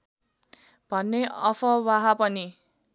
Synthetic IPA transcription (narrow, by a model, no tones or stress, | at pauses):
bʱʌnːeʌpʰʌwaɦapʌni